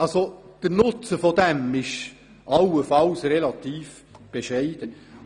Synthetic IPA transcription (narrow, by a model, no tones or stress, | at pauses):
ɑlsod̥ənʊt͡səfɔd̥̪ɛmɪʃ | ʔɑwəfɑlsrɛlɑt̪iːf | b̥eʃɛɪd̥ə